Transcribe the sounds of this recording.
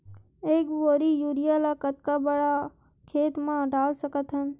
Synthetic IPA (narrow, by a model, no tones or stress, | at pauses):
eːkʋoːɾijuːɾijalakət̪̚kabəɽa | kʰeːt̪mãɖaːlsəkət̪ɦə̃n